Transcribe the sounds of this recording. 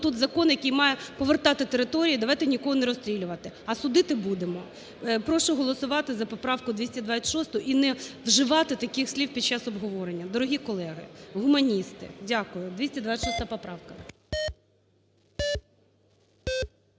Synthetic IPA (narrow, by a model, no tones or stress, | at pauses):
t̪ut̪zɐkɔnjɐkʲijmɑjɛpɔʋert̪ɑt̪ɪt̪eɾɪt̪ɔɾʲijid̪ɐʋɑjt̪ɪnʲikɔɦɔnɛɾɔst̪ʲɾʲilʲʊʋɐt̪ɪɐsʊd̪ɪt̪ɪbud̪emɔ | pɾɔʃʊɦɔlˠɔsʊʋɑt̪ɪzɐpɔpɾɑwkʊd̪ʋʲisʲtʲɐd̪ʋaʃɔst̪ɔʊʔinɛwʒɪʋɑt̪ɪt̪ɐkɪxsʲlʲiwpʲid̪̚t͡ʃɑsɔbɦɔʋɔɾenʲːɐd̪ɔɾɔɦʲikɔlˠɛɦɪɦʊmɐnʲist̪ɪ̰dʲakʊjʊd̪ʋʲisʲtʲɐd̪ʋaʃɔst̪ɐpɔpɾɑwkɐ